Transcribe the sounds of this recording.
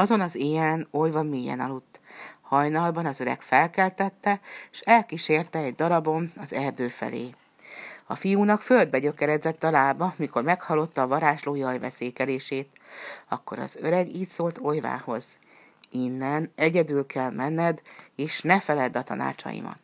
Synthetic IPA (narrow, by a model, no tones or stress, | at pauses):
ɒzo̞nɒzeːɛno̞jvɒmeːjɛ̰nɒlot̪ːhɒjnɒlbɒnɒzø̞ɾɛ̰ɡfɛlkɛlt̪ɛt̪ːɛʃɛlkiʃeːrt̪ɛːɟd̪ɒɾɒbo̞nɒzɛrd̪øːfɛ̰lḛː | ɒfijuːnɒkføld̪̚bɛɟø̞kɛɾɛzɛt̪ːɒlaːbɒmiko̞rmɛkhɒlːo̞t̪ːɒːvɒɾaːʃloːjɒjvɛ̰seːkɛleːʃeːt̪ | ɒkːo̞ɾɒ̰zøɾɛɡiːt̪soːlt̪ʰo̞jva̰ːho̞z̥ | inːɛnɛɟɛd̪ylkʰɛlmɛnːɛd̪eːʃnɛfɛlɛd̪ɒt̪ɒ̰na̰ːt͡ʃɒ̰jḭmɒ̰t̪